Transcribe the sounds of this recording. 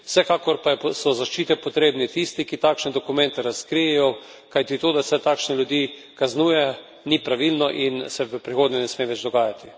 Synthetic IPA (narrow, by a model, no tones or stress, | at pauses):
w̥sɛkaːkɔɾpajɛsɔzaʃt͡ʃiːt̪ɛpɔt̪ɾeːbnɛt̪ist̪ikit̪aːkʃnɛd̪ɔkumɛnt̪ɛɾaskɾijɛjɔ | kajt̪it̪oːd̪asɛt̪aːkʃnɛljud̪jiː | kaznuːjɛ | nipɾaʋilnɔʔinsɛʋəpɾixoːd̪nʲɛnɛsmeːʋɛd͡ʒd̪ɔɡaːjat̪i